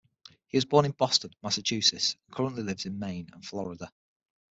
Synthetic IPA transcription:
hiɪzbɔːñɪ̃nb̥ɒstə̃nmasət͡ʃʰʉˑsɪsə̃nkʰʌɹə̃nʔlɪlɪvz̥ɪ̃nmẽɪ̃nə̰̃nflɒɹɪdə

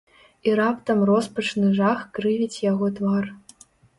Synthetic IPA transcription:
iɾapt̪ɐmrɔspɐt͡ʂnɨʐaxkrɨvʲit͡sʲjaɣɔt̪var

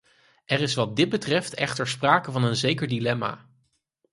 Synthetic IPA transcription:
ʔɛrɪsʋɑt̚dɪt̚bətrɛftɛχtəɹspraːkəvɑnənzejkəɹdilɛma̰ː

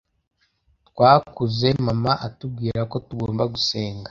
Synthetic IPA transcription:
tkwaːkuze̞mamaʔatub̚ɡiːɾako̞tuɡoːmbaɡuse̞ːŋɡḁ

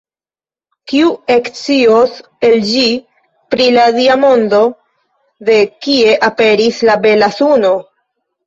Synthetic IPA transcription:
kiuekt͡sios | e̞ld͡ʒi | pɾiladiamo̞ndo̞ | de̞kie̞ʔape̞ɾislabe̞lasuno̞

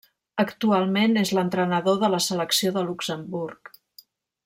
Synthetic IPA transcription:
əkt̪ualˠmenezlənt̪ɾənəðoðələsələksioðəluksəmburk

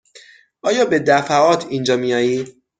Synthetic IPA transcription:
ʔɒːjɒːbe̞d̪æfæʔɒːt̪ʰind͡ʒɒːmijɒːjiː

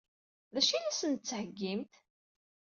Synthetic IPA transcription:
ðæʃinæsənt̪t͡sːʕəɡːimt̪

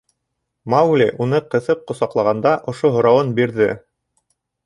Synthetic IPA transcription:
mawlʲiʔunɤqɤ̆θɤp̚qŏsɑqlˠɑʁɑnd̪ɑʔŏʃoɦŏɾɑwɤnbiɾðɘ

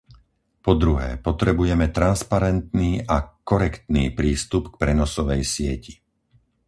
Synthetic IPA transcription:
pɔd̪ɾuɦɛ̰ːpɔt̪ɾɛbujɛmɛt̪ɾanspaɾɛnt̪niːʔakɔɾɛkt̪niːpɾiːst̪upk̚pɾɛnɔsɔʋɛjsɪɛci̥

